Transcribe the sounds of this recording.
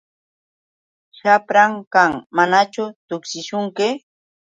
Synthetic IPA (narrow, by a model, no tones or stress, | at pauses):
ʃapɾaŋkaŋmanat͡ʃʊt̪ʊkʃɪʃʊŋkɪ